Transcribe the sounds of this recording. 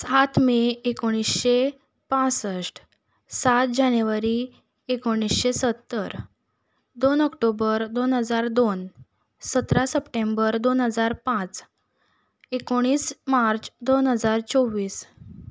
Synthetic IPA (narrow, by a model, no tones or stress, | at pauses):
sat̪ʰmeekoɽ̃isɕe | pãt͡səʂʈ | sat̪̚d͡ʑanjuʋaɾi | ekoɽ̃isɕesət̪ːəɾ | d̪onɔkʈobəɾd̪onɦəd͡zaɾd̪on | sət̪ɾasəpʈembəɾd̪onɦəd͡zaɾpãt͡s | ekoɽ̃iːsmaɾt͡sd̪onɦəd͡zaɾt͡soʋiːs